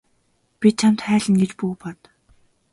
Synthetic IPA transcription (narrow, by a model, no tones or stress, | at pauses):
pʲit̪̚t͡ɕʰamt̪χæːɮə̆nɡet͡ɕpuːpɔt̪